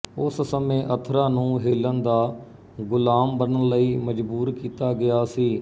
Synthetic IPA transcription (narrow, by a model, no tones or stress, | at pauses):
ʊssəmẽːʔət̪ʰɾãːnũːɦeːlənd̪aː | ɡʊlaːmbənələiːməd͡ʒbuːɾkiːt̪aːɡɪjaːsiː